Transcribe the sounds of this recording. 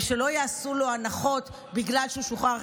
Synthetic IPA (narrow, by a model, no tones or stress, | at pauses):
ʃe̞lo̞jaːsulo̞anaχo̞t̪ | biɡlalʃeuʃuχa